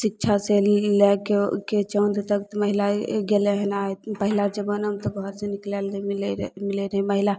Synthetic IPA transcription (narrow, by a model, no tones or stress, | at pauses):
sik̚t͡ʃʰaselekeket͡ʃəwnd̪t̪əkt̪məɦilaɡeleɦənaepəɦilad͡ʒəbənəmt̪ɔɡʱɔɾseniklelilmileɾəɦɛməɦila